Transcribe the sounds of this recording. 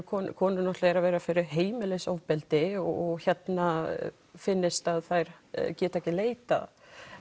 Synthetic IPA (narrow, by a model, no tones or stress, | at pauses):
kʰɔnkʰɔːnʏnɔht̪laɛɾavɛːɾafɪɾɪɾɦeːjmɪlejsawvpɛlt̪ɪɔɔɣçɛt̪na | fɪnːɪst̪aðθajɾ̥cɛːt̪ɛhcɪleːjt̪a̰